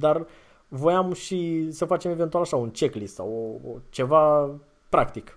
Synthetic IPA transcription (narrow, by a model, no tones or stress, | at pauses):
d̪ar | vo̞jamʃisəfat͡ʃe̞me̞ve̞nt̪ualaʃaunt͡ʃe̞klissa̰wot͡ʃe̞va | pɾakt̪ik